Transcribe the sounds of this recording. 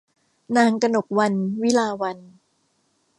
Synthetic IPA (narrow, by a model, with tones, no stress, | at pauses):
naː˧˥ŋka˧no˨˩k̚wa˧nwi˦˥laː˧wa˧n